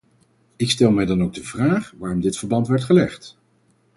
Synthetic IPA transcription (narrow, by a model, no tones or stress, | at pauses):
ɪkstɛlˠmɛjdɑnowɡ̚dəvraːχʋaːrɔmdɪtfəɹbɑntʋɛɹtχəlɛχt